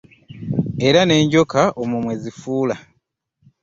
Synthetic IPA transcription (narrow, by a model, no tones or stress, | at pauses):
e̞ɾane̞ːɲɟo̞kaʔomumwe̞zifuːla